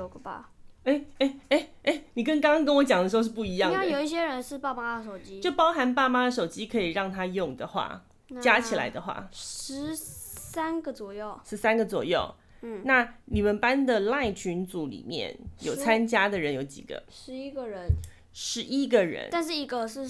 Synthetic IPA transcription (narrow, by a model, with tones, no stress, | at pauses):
o˨˩ɡə˩ba̰˨˩e˥˩ɪe˥˩ɪe˥˩ɪe˥ɪni˨˩kə˥nkɑ˥ŋɑ˥ŋk̬ə˥nwɔ˧˥t͡ɕjɑ˨˩ŋd̪ə˩ʂ̩˧˥o˧ʂ̩˥˧p̬u˥˩i˧˥jɑ˥˨ŋa˥˩jo˨˩ʊi˥˩ɕ̬jɛ˥ɻə˧˦nʂɻ̩˥˧pa˥˧˩ma˥ə˧˩ʂo˨˩ʊt͡ɕi˦˥t͡ɕo˥˩pɑ˥ʊxa˧˥npa˥˩ma˥d̪ə˨ʂo˨˩ʊt͡ɕi˦˥kʰɤ˧˦˥i˨˩ɻɑ˥˩ŋt̪ʰa˥jʊ˥˩ŋd̪ə˩xwa̰˥˩ | t͡ɕja˥t͡ɕʰi˨˩la̰˧˥ɪd̪ə˨xwa̰˥˩ʂ̩˧˦sa˥nɡə˨t͡swɔ˨˩jo˥˩ʊʂɻ̩˧˥sa˥nɡə˨t͡swɔ̰˨˩jo˥˩ʊ˥˩ | na˥˩ni˨˩mə˨npa˦nd̪ə˨la˥˩ɪt͡ɕʰy˧˥nt͡su˨˥lḭ˨˩mjɛ̰˥˩njo˨˩ʊt͡sʰa˦˥nt͡ɕja˥d̪ə˨ɻə˧˦˥njo˧˥ʊt͡ɕḭ˨˩ɡ̥ə̰˦ʂɻ̩˧˥i˥ɡə˨ɻə˧˦n | ʂɻ̩˧˥ʔi˥ɡə˨ɻə̰˧˥˦na˥˧nʂɻ̩˥˩i˧˥ɡə˧ʂɻ̩˥˩˧